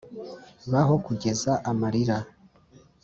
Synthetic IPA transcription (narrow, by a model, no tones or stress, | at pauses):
βaɦo̞kuɟe̞zaʔamaɾiɾa